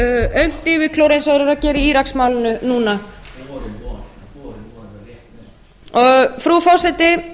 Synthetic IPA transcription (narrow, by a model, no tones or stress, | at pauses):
œɥm̥t̪ɪːvɪkʰlowɾejnsvaɣɾɪɾacɛːɾɪiiːɾaksmaːwlɪnʏnuːna | ɔɣfɾufɔwsɛt̪ɪ